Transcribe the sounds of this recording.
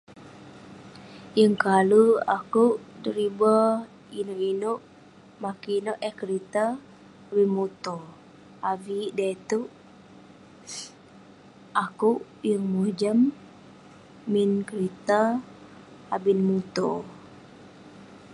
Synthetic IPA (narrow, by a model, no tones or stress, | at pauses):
jəŋkalua̰kuʔdəɾiba | inoʔinoʔ | makiinoʔɛhkəɾit̪a | binmut̪ɔ | avidat̪uʔ | akuʔ | jəŋmuhd͡ʒəm | inkəɾit̪a | abinmut̪ɔ